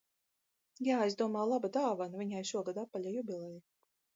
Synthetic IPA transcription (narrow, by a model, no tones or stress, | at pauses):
jaːɛs̬d̪uɔmaːwlˠabad̪aːvanvʲiɲʲajʃuɔɡad̪apːalʲajubʲilˠɛji